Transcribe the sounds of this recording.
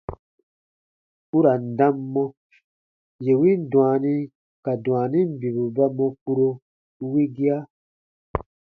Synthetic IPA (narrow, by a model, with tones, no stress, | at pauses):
u˦ɾa˨n̩˨dã˦mːɔ̃˦ | je˨wĩ˦n˦dũ˨a˨nĩ˦ | ka˨dw̃a˨nĩ˦m̩˨bi˨βu˨ba˦mɔ̃˧ku˦ɾo˧˦ | wi˦ɡi˦a˦